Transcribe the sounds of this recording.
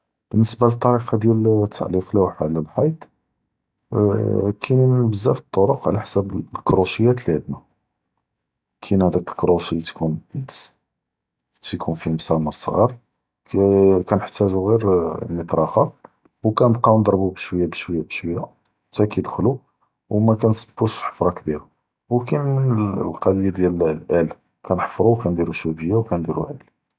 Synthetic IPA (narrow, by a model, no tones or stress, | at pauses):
b̥ənːəsbalət̪ˤːɑɾiqɑd̪jælt̪ʰːa̰ʕliflæwħaʕləlħɑjt̪ˤ | kʰinnnbəzːæfi̥t̪ˤːoɾoqʕlæħsæblkɾuʃəjːæt̪læd̪ma | kʰinhæd̪ækəlkɾuʃit̪kunəd̪s | t̪jkʰunfimsɑməɾˤsˤɣɑɾˤ | kænəħt̪æʒuɣiɾmət̪ˤɾˤɑxɑ | wkænbqɑnd̪ˤɾˤbubʃwəjːabəʃwəjːabəʃwəjːa | t̪ækæjd̪xlu | wmækænsə̥bːuʃħə̥fɾˤɑkbiɾa | wkænmənlqɑd̪id̪jællʔæl | kʰænħəfɾˤuwkænd̪iɾuʃubəjːawkænd̪iɾṵʔæl